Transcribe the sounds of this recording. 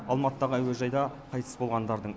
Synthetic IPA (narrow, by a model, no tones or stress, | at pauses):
ɑlˠmɑt̪əːɑʁəæweʒɑjd̪ɑqʰɑjt̪ə̥sbo̞lˠʁɑnd̪ɑɾd̪əɴ